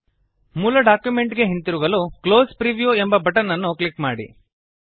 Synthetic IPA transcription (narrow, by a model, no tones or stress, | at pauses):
muːlɐɖaːkjumeɳʈɡe̞ɦint̪iɾuɡɐlukloːspɾiʋijuembɐbɐʈɐnːɐnːuklikmaːɽḭ